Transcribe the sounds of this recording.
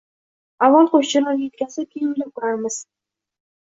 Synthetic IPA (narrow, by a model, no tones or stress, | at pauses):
avːɒlˠqoʃt͡ʃɪɾɒɾjet̪̚kʲasɪk̪ʲʰeɪlakʰʊɾaɾmɪz̥